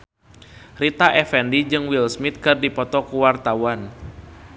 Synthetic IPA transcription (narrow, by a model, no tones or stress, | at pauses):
rit̪aʔɛfɛndid͡ʒɨŋwilsmit̪̚kɨrdipɔt̪ɔkuwart̪awan